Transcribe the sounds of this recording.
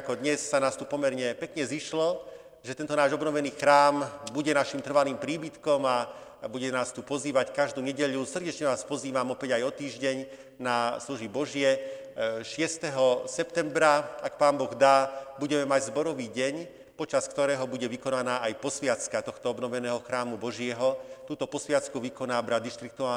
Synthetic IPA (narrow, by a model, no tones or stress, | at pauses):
akɔd̪ɲɛsːanaːst̪upɔmɛɾɲɛpɛkɲɛziʃlɔ | ʒɛt̪ɛnt̪ɔnaːʒɔbnɔʋɛniːxɾaːmbuɟɛnaʃimt̪r̩ʋaliːmpɾiːbit̪kɔma | buɟɛnaːst̪upɔziːʋackaʒd̪uːɲɛɟɛʎusr̩ɟɛt͡ʃɲɛʋaːspɔziːʋamɔpɛɟajɔt̪iːʒɟɛɲ | nasluʒibɔʒɪɛ | ʃɪɛst̪ɛɦɔsɛpt̪ɛmbɾaakpaːnbɔɣd̪aːbuɟɛmɛmaɟzbɔɾɔʋiːɟɛɲ | pɔt͡ʃaskt̪ɔɾɛːɦɔbuɟɛʋikɔnanaːʔajpɔsʋɪat͡skat̪ɔxt̪ɔɔbnɔʋɛnɛːɦɔxɾaːmubɔʒɪɛɦɔt̪uːt̪ɔpɔsʋɪat͡skuʋikɔnaːbɾad̪iʃt̪ɾik̚t̪uaː